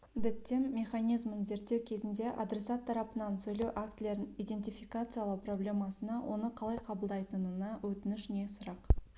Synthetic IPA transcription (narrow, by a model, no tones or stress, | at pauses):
d̪ɪt̪ːemːe̞χɑnijzmənze̞ɾt̪ːewkʲʰe̞zɪnd̪e̞ʔa̰d̪ɾe̞sɑt̪ʰːɑɾɑpənɑnsɵjlewʔakt̪lʲe̞ɾnijd̪e̞nt̪ijfijkat̪sɨjalˠəwpro̞blʲe̞mɑsənɑwʔo̞nəqʰɑlˠɑjqʰɑbəlˠd̪ɑjt̪ənənɑwɵt̪ɪnɪʃne̞sʊɾɑq